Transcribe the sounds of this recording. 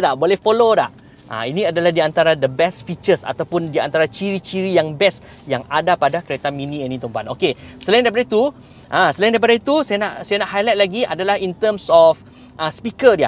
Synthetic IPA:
daʔbolɛhfoloda̰ʔ | ʔa̰inĩadalahdiant̪aɾadəbɛsfit͡ʃəsa̰t̪awpʊndia̰nt̪aɾat͡ʃiɾit͡ʃiɾijaŋbɛs | jaŋadapadakəɾet̪aminĩɛnĩt̪əmpanokesəlajɪndajpadait̪u | ʔãsəlaj̃ndajpadait̪usajanaʔsajanaʔhajlat̪̚laɡiʔa̰dalahint̪əmsɔf | ʔaspikədia

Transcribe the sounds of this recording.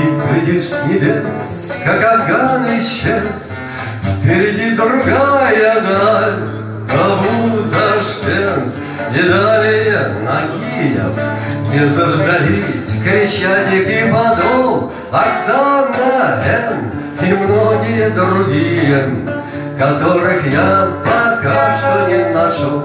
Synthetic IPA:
pʲɾʲɪdʲifskʲɪlʲeskakɐd̪ɡanɨjɕːes | fpʲɪɾʲɪdʲid̪ɾʊɡajəd̪alʲ | kɐbut̪əʂtʲen | nʲɪd̪alʲɪjəmɐkʲijə̰f | nʲɪzəʐd̪ɐlʲisʲkɾʲɪɕːatʲɪkipɐd̪olˠ | ɐksanːəɛn | imnoɡʲɪjəd̪ɾʊɡʲijə | kɐt̪oɾɨxjapɐkaʂt̪oinɐt͡ʃo

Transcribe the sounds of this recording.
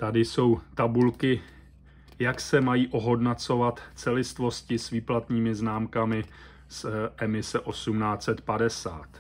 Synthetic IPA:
t̪adɪso̞wt̪abulkɪ | jaksɛmajiːʔo̞ɦo̞dnat͡so̞vat̪t͡sɛlɪst̪vo̞scɪsviːplat̪ɲiːmɪznaːmkamɪ | sʔɛmɪsɛʔo̞sumnaːt͡sɛt̪padɛsa̰ːt̪

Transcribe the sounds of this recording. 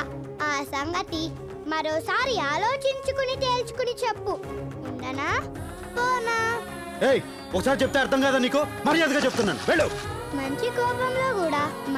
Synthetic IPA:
aːsɐŋɡɐt̪i | mɐɾoːsaːɾiaːlo̞ːt͡ʃiɲt͡ʃukunit̪e̞ːlt͡ʃu̥kunit͡ʃepːuuɳɖɐnaː | pɔːnaː | eːj | ɔkɐsaːɾit͡ʃep̬ːut̪eːɐɾt̪ʰɐŋkaːd̪aːniːkumɐɾijɐd̪ɡaːt͡ʃep̚u̥t̪unːaːnṵʋeːɭːow | mɐɲt͡ʃikɔːpɐmlo̞ːkuːɽaːm

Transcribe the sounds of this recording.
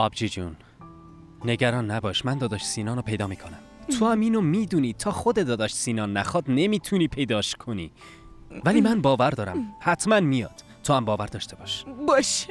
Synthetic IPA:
ɒːbd͡ʒiːd͡ʒṵnː | e̞ɡæɾɒːnːæbɒːʃmænd̪ɒːd̪ɒʃsiːnɒːnopʰe̞jd̪ɒːmiːkʰo̞næmt̪ʰohæmiːnomiːd̪uːniːt̪ʰɒːxo̞d̪e̞d̪ɒːd̪ɒʃsiːnɒːnːæxɒːd̪ne̞miːt̪ʰuniːpʰe̞jd̪ɒːʃkʰo̞nḭː | væliːmænbɒːvæɾd̪ɒːɾæ̰mhæt̪ʰmænmijɒ̰ːd̪̥ | t̪ʰːohæmbɒːvæɾd̪ɒːʃt̪e̞bɒʃbɒʃ

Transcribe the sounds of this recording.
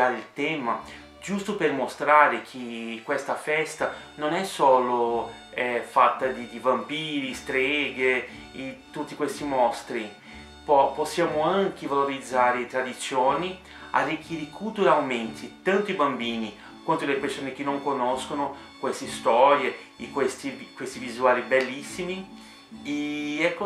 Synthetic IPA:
aɾilt̪ɛːma | d͡ʒust̪opermost̪ɾaːɾekʰekːwest̪afɛst̪a | nonɛsːoːlo | ɛfat̪ːad̪id̪ibampiːɾist̪ɾɛːɡe | it̪ut̪ːikwest̪imɔst̪ɾi | pɔposːjaːmoaŋkevaloɾid̪zːaːɾet̪ɾad̪it̪sːjoːni | a̰rːik̟ːiːɾeikʰuːt̪ueawment̪ʰit̪ant̪oibambiːni | kwant̪od̪elepersoːnek̟enːoŋkonɔskono | kwest̪est̪ɔɾje | kwest̪ikwest̪ivizuaːlibelːisːimi | eɛkːo

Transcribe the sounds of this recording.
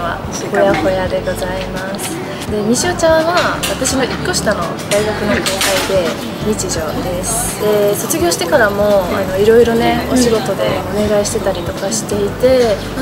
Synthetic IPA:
βa̰ | ho̞jaho̞jad̪e̞ɡo̞zaimasɨ̥ | d̪e̞mʲiɕiot͡ɕãɰ̃βaβat̪aɕino̞ʔikːo̞ɕi̥t̪ano̞ | d̪̥aiɡakɯ̟nokoːkaid̪e̞ | ɲit͡ɕiʑo̞d̪e̞sɨ̥ | eso̞t͡sɨɡʲo̞ːɕi̥t̪e̞kaɾamo̞a̰no̞iɾo̞iɾo̞ne̞o̞ɕiɡo̞t̪o̞d̪e̞o̞ne̞ɡaiɕi̥t̪e̞t̪aɾʲit̪o̞kaɕi̥t̪e̞it̪e̞

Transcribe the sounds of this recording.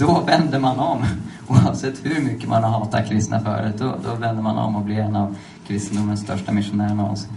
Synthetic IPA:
d̪̥ɔvɛnd̪əmanɔm | uːɑvsɛt̪ːhɵɾmʏkːəmʔa̰nhaɦɑːt̪a̰kʰɾɪst̪əna̰fœ̰ːɖɛd̪ɔ̰d̪ɔvɛnd̪əmanɔ̰mːɔbliɛnːav | kʰɾɪst̪ənd̪ʊmːənst̪ʰœʂʈamɪʂʊnæːɾəɳaɔ̰s

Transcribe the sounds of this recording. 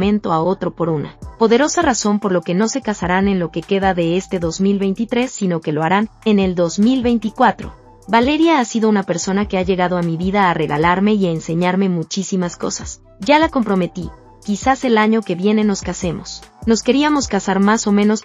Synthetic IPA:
mẽ̞nt̪o̞ao̞t̪ɾo̞po̞ɾuna̰po̞ðe̞ɾo̞saraso̞mpo̞ɾlo̞ke̞no̞se̞kasaɾane̞nlo̞ke̞ke̞ðaðe̞est̪e̞ðo̞zmilβe̞jnt̪it̪ɾe̞sːino̞ke̞lo̞aɾane̞ne̞ld̪o̞zmilβe̞jnt̪ikwat̪ɾo̞̰ | βale̞ɾjaasiðo̞unape̞ɾso̞nake̞aʝe̞ɣaðo̞amiβiðaːre̞ɣa̰laɾme̞iaense̞ɲaɾme̞mut͡ʃisimasko̞̰sas | ɟ͡ʝalako̞mpɾo̞me̞t̪i | kisase̞laɲo̞ke̞βje̞ne̞no̞skase̞mo̞sno̞ske̞ɾiamo̞skasaɾmaso̞mẽ̞no̞s

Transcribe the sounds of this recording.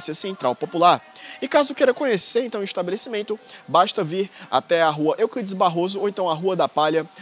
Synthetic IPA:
sɐsẽnt̪ɾawpopulaɾɪkazʊkeɾɐkõɲeseɾẽnt̪ɐ̃w̃iʃt̪abelesimẽnt̪ʊbaʃt̪ɐviɾa̰t̪ɛaɦuɐʔewkid͡ʒɪzbaɦozʊowẽnt̪ɐ̃w̃ɐɦuɐd̪ɐpaʎɐ

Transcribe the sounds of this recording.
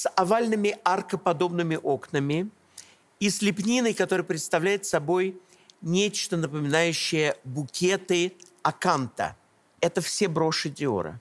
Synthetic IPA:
sɐvalʲnɨmʲɪarkəpɐd̪o̞bnɨmʲɪʔo̞knəmʲɪ | isʲlʲɪpnʲinəjkɐt̪o̞ɾɨjəpɾʲɪt̪st̪ɐvlʲæjɪt̪sɐbo̞j | nʲet͡ɕt̪ənəpəmʲɪnajʉɕːɪjəbʊkʲet̪ɨ | ɐkant̪ə̰ | ɛt̪əfsʲebɾo̞ʂɨdʲɪo̰ɾə̰

